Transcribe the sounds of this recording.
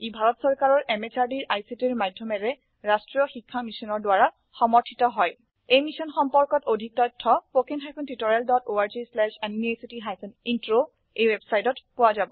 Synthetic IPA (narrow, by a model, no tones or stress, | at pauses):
ibʱaɹɔtsɔɹkaɹɔɹʔɛmet͡ʃaɹdiɹʔajsitiɹmadʱjɔmɛɹɛ | ɹastɹijɔxikʰːamisɔnɔɹdwaɹa | xɔmɔɹtʰitɔɦɔj | ejmisɔnxɔmpɔɹkɔtodʱik̚tɔtʰːɔpokenɦajpʰɔntitoɹialdɔtoaɹd͡ʒislɛʃanimiejsitiɦajpʰɔnintɹo | ejwebsajtɔtpʊwazabɔ